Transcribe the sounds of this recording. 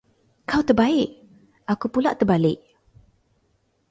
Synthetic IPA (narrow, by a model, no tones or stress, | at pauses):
kawt̪ərbaɪʔ | akupulaʔt̪ərbalɪʔ̚